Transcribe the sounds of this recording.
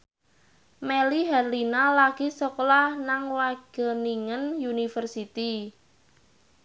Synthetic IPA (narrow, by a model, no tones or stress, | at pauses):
meliɦarlinalaɡ̥isɔklahnaŋwaɡ̥ə̤niŋənjunifərsit̪i